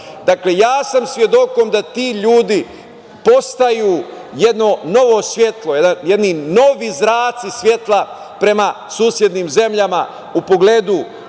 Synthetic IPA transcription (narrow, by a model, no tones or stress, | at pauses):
d̪aklejaːsamsʋje̞d̪o̞ko̞md̪at̪iːʎuːd̪i | po̞st̪ajuː | je̞d̪no̞no̞ʋo̞sʋʲje̞t̪lˠojed̪anjed̪nino̞ʋizɾaːt̪sisʋje̞t̪lˠa | pɾe̞ma | suːsje̞d̪niːmze̞mʎama | upo̞ɡle̞ːd̪u